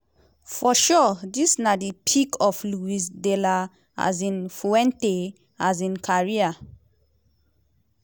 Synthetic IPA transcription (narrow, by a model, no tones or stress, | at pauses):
fɔʃɔdisnadipʰikʰɔfluis̬dela | a̰zĩnfuɛ̃nte | az̬ĩnkʰaɹia